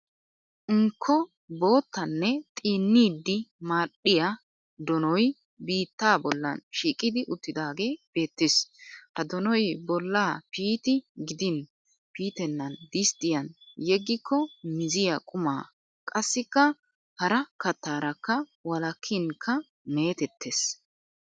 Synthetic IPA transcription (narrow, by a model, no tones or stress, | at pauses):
ʔɪŋkʰːɔ | bo̞ːt̪ːɐnːɛt̪ʼiːnːiːd̪ːɪmaːɗːɪja | d̪ɔnɔj | biːt̪ːaːbɔlːɐ̰nʃiːkʼɪd̪ɪʔʊt̪ːɪd̪aːɡe̞ːb̥e̞ːt̪ːɪshɐd̪ɔnɔjbɔlːaːpiːt̪ɪɡɪd̪ɪn | piːt̪ɛnːɐnd̪ɪst̪ɪjɐnjɛɡːɪkːɔmɪzɪjɐkʼʊmaː | kʼɐsːɪkːɐ | hɐɾɐkɐt̪ːaːɾɐkːɐwɐlɐkʰːɪŋkʰːɐ | meːt̪ɛt̪ːes